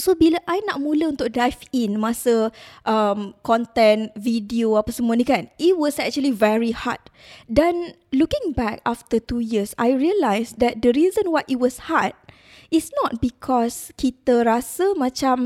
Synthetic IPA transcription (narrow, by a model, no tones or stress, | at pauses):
sobiləʔajnaʔmũləũnt̪ʊk̚dajfĩnmasəʔəmkɔ̃nt̪ɛ̃nvidioapasəmuanĩkanʔit̚wɔsɛk̚t͡ʃuəlivɛɹiha̰t̚ | dɛ̃n | lukɪ̃ŋbɛk̚aft̪ət̪ujisa̰jɹiəlajsdɛt̪̚d̪əɹizə̃nwajʔit̚wɔshat̪̚ | isnɔt̚bikʰɔskit̪əɾasəmãt͡ʃãm